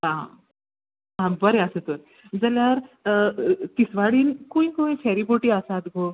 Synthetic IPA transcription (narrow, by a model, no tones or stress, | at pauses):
ɦã | ɦãbəɾeəset̪oɾ | d͡zəljaɾ | kisʋaɽiːnkoĩkõĩfʰɛɾiboʈiːasat̪ɡo